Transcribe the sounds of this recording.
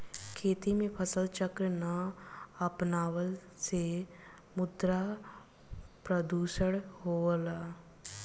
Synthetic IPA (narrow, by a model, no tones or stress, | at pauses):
kʰeːt̪imẽpʰəsəlt͡ʃəkɾənaəpnaːwəl | se | mʊd̪ɾa | pɾəd̪uːʃəɽɦoːlaː